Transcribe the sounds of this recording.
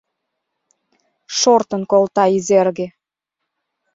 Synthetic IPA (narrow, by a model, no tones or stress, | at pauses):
ʃort̪ə̆nkolt̪ɑizerɣĕ